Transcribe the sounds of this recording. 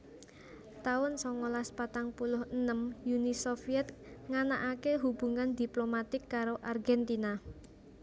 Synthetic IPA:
t̪aʊnsɔŋolaspat̪aŋpulʊhənəmjunisofiɛt̪̚ŋanaʔakeɦub̥ṳŋand̪iplomat̪ɪkːaɾoʔarɡɛnt̪ina

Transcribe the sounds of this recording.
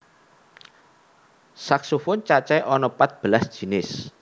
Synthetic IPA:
saksufʊnt͡ʃat͡ʃɛʔɔnɔpat̪̚b̥əlasd̥ʒ̥i̤nɪs

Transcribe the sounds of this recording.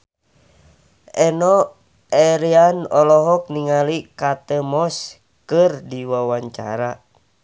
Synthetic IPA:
ʔɛnɔ | ɛɾianɔlɔɦɔk̚niŋalikat̪əmɔs | kɨrdiwawaɲt͡ʃa̰ɾa

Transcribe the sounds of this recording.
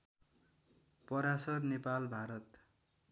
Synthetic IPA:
pʌɾasʌrnepalbʱaɾʌt̪

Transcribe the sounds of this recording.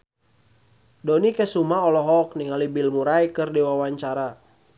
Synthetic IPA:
dɔnikɛsumaɔlɔɦɔk̚niŋalibilmuɾajkɨrdiwawaɲt͡ʃaɾa

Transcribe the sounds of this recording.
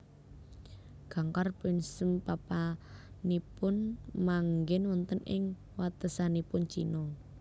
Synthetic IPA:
ɡ̥a̤ŋkarpɪnsəmpapa | nipʊnmaŋɡɪnwɔnt̪ənɪ̰ŋ | wat̪əsanipʊnt͡ʃḭnɔ

